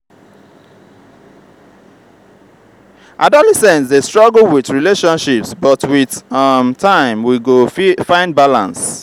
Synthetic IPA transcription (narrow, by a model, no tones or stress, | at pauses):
ʔadɔlɛsɛ̃nsdestɹ̥ɔɡl̩ˠwiθɹileʃɔ̃nʃipsbʌtwiθmtʰãɪ̃mwiɡofãɪ̃nd̚balã̰ns